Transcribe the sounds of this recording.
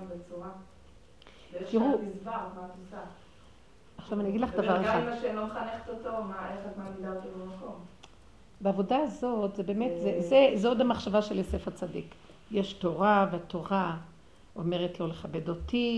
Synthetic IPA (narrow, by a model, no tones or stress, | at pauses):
bet͡suʁa | kiʁumizvamat̪usa | aχʃavaniaɡidlaχd̪avaʁeχamaʃelomχaneχe̥t̪ot̪omaeχatmamid̪at̪ibemako̞m | beavo̞daːzo̞t̪zebe̞ːmet̪zezezeod̪amaχʃavaʃelesefat͡sadḭk | jeʃto̞ʁaveato̞ʁa | ome̞ʁetlo̞leχabedoti